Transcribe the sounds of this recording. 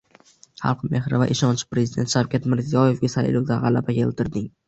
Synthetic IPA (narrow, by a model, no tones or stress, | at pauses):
χɑ̰lˠqme̞hɾɪva̰ʔeʃɒnt͡ʃʰɪ̥pɾe̞zɪd̪ent̪ʃawkʲat̪mɪɾzijɒje̞fɡʲasajlowd̪aʁɑla̰bakʲʰe̞̰lˠt̪ʰɪɾd̪ɪŋ